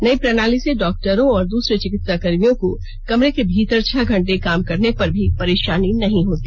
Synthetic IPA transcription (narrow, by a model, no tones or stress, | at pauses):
nɐipɾɐnaːliseɖɔːk̚ʈəɾõɔːɾd̪uːsɾet͡ʃɪkɪt̪sakɐɾmijõko | kɐmɾekebʱiːt̪əɾt͡ʃʰɐɡʱɐ̃ɳʈekaːmkɐɾnepɐɾbʱipɐɾeːʃaːninɐɦĩɦoːt̪iː